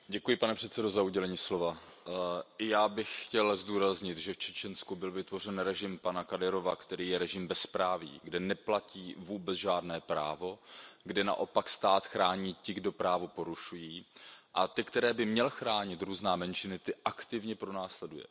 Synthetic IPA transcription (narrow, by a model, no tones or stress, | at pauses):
ɟɛkujɪpanɛpr̥ɛt̪sɛdo̞zauɟɛlɛɲiːslo̞va | ʔɪjaːbɪxxcɛlzduːɾazɲɪt̪ʒɛft͡ʃɛt͡ʃɛnskubɪlvɪt̪vo̞r̝ɛnɾɛʒɪmpanakadɛɾo̞vakt̪ɛɾiːjɛɾɛʒɪmbɛspɾaːvḭːɡdɛnɛplaciːvuːbɛt͡sʒaːdnɛːpɾa̰ːvo̞ɡdɛna̰ʔo̞pakst̪aːt̪xɾaːɲiːcɪɡdo̞pɾaːvo̞po̞ɾuʃujiːʔat̪ɪkt̪ɛɾɛːbɪmɲɛlxɾaːɲɪt̪ɾuːznaːmɛnt͡ʃɪnɪt̪ɪʔakt̪ɪvɲɛpɾonaːslɛdujɛ̰